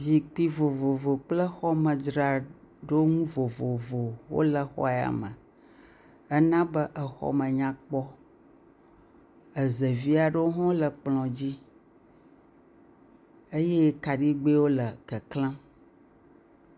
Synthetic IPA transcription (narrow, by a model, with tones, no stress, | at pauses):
vi˨k͡pi˨vo˨vo˨vo˨k͡plə˦xɔ˦mə̃˨dɾa˨ | ɖo˦o˦ŋũ˦vo˨vo˨vo˨wo̰˦lə˨xɔ̰˦˨a̰˨mə̃˨ | ə˦nã˦bə˦ʔə˨xɔ̰˦mə̃˨ɲã˦k͡pɔ˦ | ə˨zə˨vi˦a˨ɖə˦wo˦ɦɔ̃˦lə˨k͡plɔ̃˨d͡ʑi˦ | ə˦jɛ˦ka˨ɖi˦ɡ͡be˦wo˦lə˨kə˨klã˦